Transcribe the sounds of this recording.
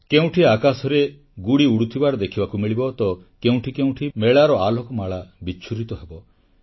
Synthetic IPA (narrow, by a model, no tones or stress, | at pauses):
keũʈʰiakasɔɾe | ɡuɽiuɽut̪ʰibaɾɔd̪ekʰibakumiɭibɔt̪ɔ | keũʈʰikeũʈʰimeɭaɾɔalɔkɔmaɭabit͡ʃʰuɾit̪ɔɦebɔ